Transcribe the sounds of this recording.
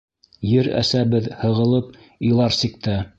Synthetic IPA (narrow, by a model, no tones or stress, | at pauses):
jɘɾæ̰sæβɘðhɤ̆ʁɤ̆lˠɤp̚ | ĭjlˠɑɾsik̚t̪æ